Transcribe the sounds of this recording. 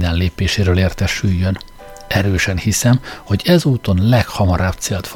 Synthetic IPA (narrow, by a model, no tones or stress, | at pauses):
d̪ɛnleːpeːʃeːɾøːleːrt̪ɛʃyjːøn | ɛɾøːʃɛnhisɛmho̞ɟɛzuːt̪o̞nlɛkhɒmɒɾaːbt̪seːlt̪f